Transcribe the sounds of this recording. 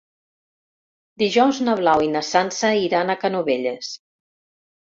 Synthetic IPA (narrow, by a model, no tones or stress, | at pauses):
d̪iʒɔwznəβ̞lawinəsansəiɾanəkənuβeʎes